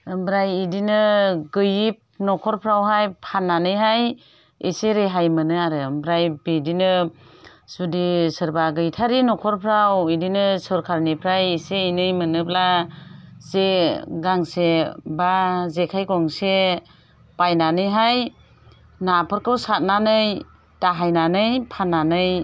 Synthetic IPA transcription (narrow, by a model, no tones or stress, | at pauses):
ɯmbɾajidinɯɡɯjip̚nɔkʰɔɾpʰɾawɦajpʰanːanɯjɦaj | eseɾeɦajmɯnɯaɾɯmbɾajbidinɯ | sudisɯɾbaɡɯjtʰaɾinɔkʰɔɾpʰɾawidinɯsɔɾkʰaɾnipʰɾajiseinɯjmɯnɯpla | zeɡaŋsebazekʰajkɔŋse | pajnanɯjɦaj | napʰɯɾkʰɯwsat̚nanɯj | taɦajnanɯjpʰanːanɯj